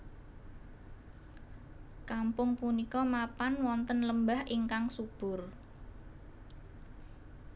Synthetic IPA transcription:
kampʊŋpunikɔmapanwɔnt̪ənləmbahʔiŋkaŋsub̥ʊ̤r

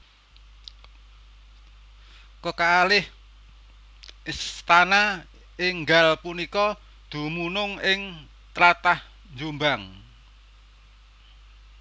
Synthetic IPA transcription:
kəkaːlɪh | ist̪ana | ɪŋɡalpunikɔ | d̪̥ṳmunʊŋɪŋ | t̪ɾat̪ah | ɲd͡ʒumbaŋ

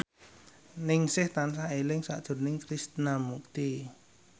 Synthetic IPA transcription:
nɪŋsɪht̪ans̬aelɪŋsa̰ʔd̥ʒ̥ʊ̤rnɪŋkɾist̪namuk̚t̪i

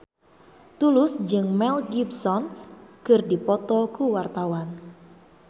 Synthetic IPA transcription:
t̪ulʊsd͡ʒɨŋmɛlɡibsɔnkɨrdipɔt̪ɔkuwart̪awan

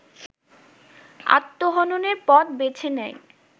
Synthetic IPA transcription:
a̰t̪ːoɦɔnoneɾpɔt̪bet͡ɕʰenɛj

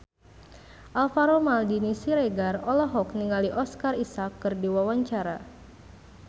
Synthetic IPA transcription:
ʔalfaɾomaldinisiɾeɡarɔlɔɦɔk̚niŋaliʔɔskarisakːɨrdiwawaɲt͡ʃaɾa

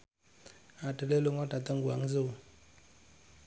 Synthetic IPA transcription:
atɛlɛlɔŋwatat̪aŋɡua̰ŋze

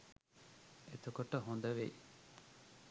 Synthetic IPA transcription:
et̪okoʈːɐɦond̪ɐʋḛ

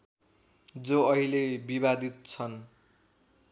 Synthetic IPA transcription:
d͡zoʌɦilebiβad̪it̪̚t͡sʰʌn

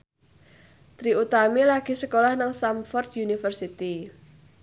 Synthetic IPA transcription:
t̪ɾiut̪amilaɡ̥i̤səkolahnaŋsamfɔrt̪̚junifərsit̪i

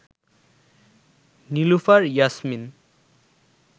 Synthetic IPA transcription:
nilufaɾjasmin

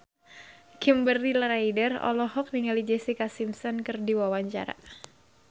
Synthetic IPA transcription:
kimbərilɾajdərɔ̰lɔɦɔk̚niŋalid͡ʒɛsikasimsɔnkɨrdiwawaɲt͡ʃa̰ɾa̰ʔ

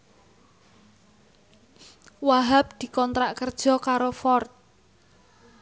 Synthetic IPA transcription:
waɦap̚d̪̥i̤kɔnt̪ɾaʔkərd̥ʒ̥ɔ̤kaɾofɔrt̪̚

